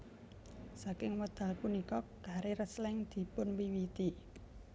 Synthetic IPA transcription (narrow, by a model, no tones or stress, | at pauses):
sakɪŋwəd̪̥a̤lkunikɔɡ̥a̤ɾeɾəslɪŋd̪̥i̤pʊnwiwit̪i